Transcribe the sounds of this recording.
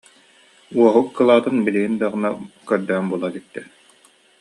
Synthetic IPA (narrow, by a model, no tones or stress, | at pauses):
uɔɦukːɯlˠaːt̪ɯnbiliɦind̪aʁɯ̆nakœɾd̪œnbuɔlˠat̪it̪ːɛ